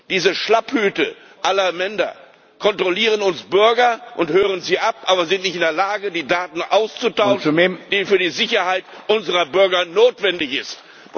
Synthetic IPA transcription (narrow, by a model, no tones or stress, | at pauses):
d̥iːzəʃlaphyːtə | ʔalɐmɛndɐ̰ | kʰɔntʁ̥oliːʁ̞ənʊnsb̥ʏɐɡɐʔʊnthøːʁ̞ənziːʔapʔaːbɐzɪntnɪçtɪndeːɐlaːɡədiːdaːtn̩ʔaʊst͡sutaʊʃmed̥iːfyːɐdiːzɪçɐhaɪtʔʊnzəʁɐbʏɐɡɐnoːtv̥ɛndɪçɪst